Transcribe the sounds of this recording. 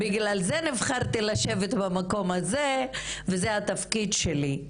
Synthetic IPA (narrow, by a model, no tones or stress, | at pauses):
biɡlalzenivχaʁt̪ilaʃe̞vet̪bamako̞mazevezeat̪afkid̪ʃeli